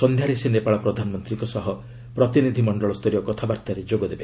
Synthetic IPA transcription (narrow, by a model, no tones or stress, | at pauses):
sɔnd̪ʱjaɾesenepaɭɔpɾɔd̪ʱanɔmɔnt̪ɾiŋkɔsɔɦɔ | pɾɔt̪inid̪ʱimɔɳɖɔɭɔst̪ɔɾiɔkɔt̪ʰabaɾt̪aɾed͡ʒoɡɔd̪ebe